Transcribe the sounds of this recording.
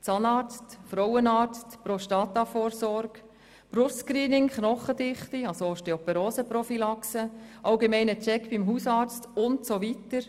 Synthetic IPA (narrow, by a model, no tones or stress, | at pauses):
t͡sɑnɑːɾt͡stfɾɔwənɑːɾt͡stpɾoʃtɑːt̪ɑfoːɾsɔɾɡ̥ | b̥ɾʊskɾiːnɪŋχnɔχədɪχtiɑsooʃteɔpɛɾoːsəpɾɔfilɑksəʔɑlɡemɛɪnət͡ʃɛkbimɦusɑːɾt͡stʊntsoʋitəɾ